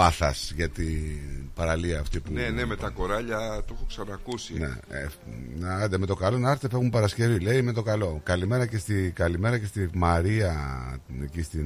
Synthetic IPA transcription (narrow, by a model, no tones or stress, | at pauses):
ɐθɐsʝɐt̪ipɐɾɐliɐːft̪ipuneneme̞t̪ɐko̞ɾɐʎɐt̪o̞xoksɐnɐːkusinḛe | nd̪eme̞t̪okɐlo̞nɐɾθefexumpɐɾɐsce̞vile̞ime̞t̪o̞kɐlo̞kɐlime̞ɾɐce̞st̪iɡɐlime̞ɾɐce̞st̪imɐɾiɐ | ecist̪i